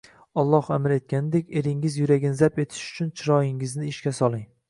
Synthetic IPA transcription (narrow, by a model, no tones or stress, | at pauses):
ɒlˠːɒhamɪɾe̞t̪̚kʲanɪd̪ekʲe̞ɾɪŋɪzjʊɾaɡʲɪnɪzape̞t̪ʰɪ̥ʃʊ̥t͡ʃʰʊnt͡ʃʰɪɾɒjɪŋɪznɪːʃkʲasɒlˠɪŋ